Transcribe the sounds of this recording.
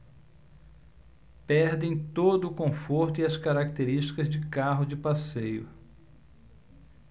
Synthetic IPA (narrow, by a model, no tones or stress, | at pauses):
pɛɾd̪ẽj̃t̪od̪ʊːkõfoɾt̪ʊiɐskaɾak̚t̪eɾiʃt͡ʃi̥kɐzd͡ʒɪkaɦʊd͡ʒɪpasejʊ